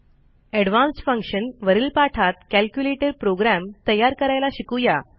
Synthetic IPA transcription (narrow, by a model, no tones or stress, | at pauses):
ɛɽʋãnsfə̃ŋkɕənʋəɾiːlpaʈʰat̪kælkjuleʈəɾpɾoɡɾæmt̪əjːaɾkəɾajlaɕikuja